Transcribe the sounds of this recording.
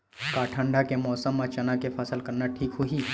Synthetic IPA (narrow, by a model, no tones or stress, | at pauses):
kaːʈʰə̃ɳɖʱakemɔːsəmːat͡ʃɐnakefʰaːsəlkɐɾnaʈʰiːkɦʊɦiː